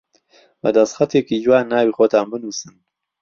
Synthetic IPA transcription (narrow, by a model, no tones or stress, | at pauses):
bɐ̰d̪ɐst̪χxɐt̪ʰeːkid͡ʒwaːnːaːwiːxoːt̪ʰaːnbɨnuːsɨn